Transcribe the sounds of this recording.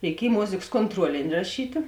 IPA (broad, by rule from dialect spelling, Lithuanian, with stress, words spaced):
rʲɛɪˈkʲiɛj ˈmoːzʲeːks koːntˈruɔlʲɪnʲɪ rɐˈʃʲiːtʲeː